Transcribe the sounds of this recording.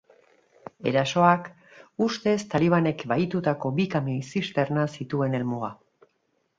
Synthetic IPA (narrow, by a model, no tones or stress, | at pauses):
e̞̰ɾaso̞ak | ust̪e̞st̪aliβ̞ane̞kbajt̪ut̪ako̞bikamesist̪e̞ɾnasit̪ue̞ne̞lmua